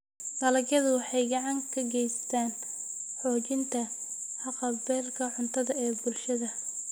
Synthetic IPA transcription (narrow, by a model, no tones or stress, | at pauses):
dɐlɐɡjɐðʊwɑħɑjɡɑʕɑŋkʰɐɡɛjst̪ʰaːn | ħɔːt͡ʃɪnt̪ʰɐ | ħɑqɐbɛːrkʰɐʕʊnt̪ʰɐðɐɛːbʊlʃɐðɐ